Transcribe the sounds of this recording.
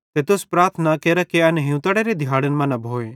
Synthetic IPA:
t̪et̪ʊspɾaːɾt̪ʰənakeːɾakeɐneɦɪ̃ũt̪ɐɽeɾed̪ʱɪjaːɽənmɐ̃nɐbʱoːẽ

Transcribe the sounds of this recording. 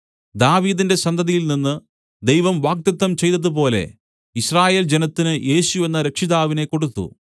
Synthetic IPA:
d̪aːʋiːðinde̞sɐnd̪ʱɐðijilninːɨ | d̪e̞jʋɐmʋaːɡ̚t̪jɐt̪ːɐmt͡ɕe̞jt̪ɐðɨpo̞ːle̞̰ | iɕraːje̞ːld͡ʑenɐt̪ːinɨjʔe̞ːɕue̞nːɐɾekʂiðaːʋine̞ko̞ɽut̪ːṵ

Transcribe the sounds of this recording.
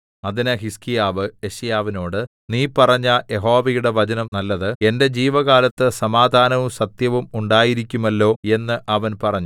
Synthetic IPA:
ɐðinɨɦiskijaːʋɨe̞ɕɐjaːʋino̞ːɽɨ | niːpɐrɐɲːɐje̞ɦo̞ːʋɐjuɽe̞ʋɐt͡ɕɐnɐmnɐlːɐðɨe̞nde̞d͡ʑiːʋɐɣaːlɐt̪ːɨsɐmaːd̪ʱaːnɐʋumsɐt̪jɐʋumuɳɖaːjiɾikʲːumɐlːo̞ːe̞nːɨʔɐʋɐnpɐrɐɲːu

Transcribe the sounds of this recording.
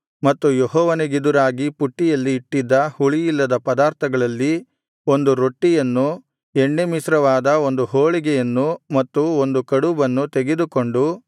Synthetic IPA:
mɐt̪ːujeɦɔːʋɐneɡid̪uɾaːɡipuʈːijɐlːiːʈːid̪ːɐhuɭijilːɐd̪ɐpɐd̪aːɾt̪ʰɐɡɐɭɐlːi | o̞nd̪uɾo̞ʈːijɐnːu | eɳːemisɾɐʋaːd̪ɐo̞nd̪uɦoːɭiɡɛjɐnːumɐt̪ːuo̞nd̪ukɐɽubɐnːut̪eɡed̪uko̞ɳɖu

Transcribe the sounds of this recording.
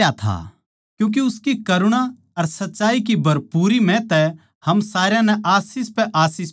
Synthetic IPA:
at̪ʰa̰ː | kjũːk̬eʊskikɐɾʊɽ̃ã | ɐɾsɐtːʃaːik̬ibʱɐɾpuːɾimɛ̃t̪ɛ | hɐmsaːɾjãnɛʔaːsiːspɛʔaːsiːs

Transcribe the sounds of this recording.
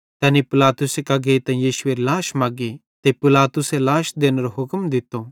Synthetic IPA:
t̪ɛ̃ːnipɪlaːt̪ʊsekaɡeit̪ɛ̃jiːʃʊeɾilaːʃmaːɡi | t̪epɪlaːt̪ʊselaːʃd̪eːnəɾoɦʊkmd̪ɪt̪ːo

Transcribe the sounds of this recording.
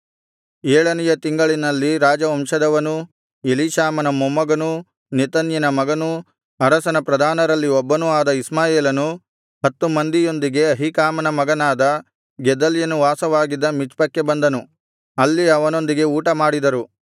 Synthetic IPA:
eːɭɐnijɐt̪iŋɡɐɭinɐlːiɾaːd͡ʒɐɐmʂɐd̪ɐʋɐnu | eliʃaːmɐnɐmomːɐɡɐnu | nit̪ɐnjɐnɐmɐɡɐnu | ɦɐɾɐsɐnɐpɾɐd̪ʱaːnɐɾɐlːiɔbːɐnuaːd̪ɐismaːjeːlɐnu | ɦɐt̪ːumɐnd̪ijo̞nd̪iɡe̞ɐɦikaːmɐnɐmɐɡɐnaːd̪ɐ | ɡɛd̪ɐljɐnuʋaːsɐʋaːɡid̪ːɐmit͡ʃpɐkːe̞bɐnd̪ɐnu | ɐlːiɐʋɐno̞nd̪iɡe̞uːʈɐmaːɽid̪ɐɾu

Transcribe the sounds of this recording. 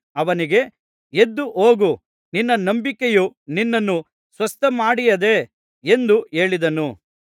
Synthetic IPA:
ɐʋɐniɡe̞ | ed̪ːuʔoːɡu | ninːɐnɐmbikejuninːɐnːu | sʋɐst̪ɐmaːɽijɐd̪e̞ | end̪ue̞ːɭid̪ɐnu

